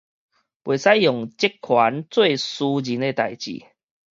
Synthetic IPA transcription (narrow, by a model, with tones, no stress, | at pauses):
bwe˨˩sa˦jjɔ˨˩ŋt͡ɕe˦kʰːwa˨˦nt͡swe˥˨su˧d͡ʑi˨˦ne˧˦t̪a˨˩jt͡ɕḭ˨˩